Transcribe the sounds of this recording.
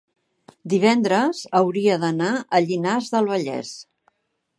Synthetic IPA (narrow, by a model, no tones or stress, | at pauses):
d̪iβ̞ɛnd̪ɾəzəwɾiəðənaʔəʎinazðəlˠβəʎɛ̰s